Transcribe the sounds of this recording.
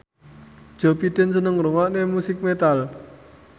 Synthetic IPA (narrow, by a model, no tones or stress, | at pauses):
d̥ʒ̥ɔ̤pid̪̥ə̤nsənəŋɾuŋɔʔnemusɪk̚met̪al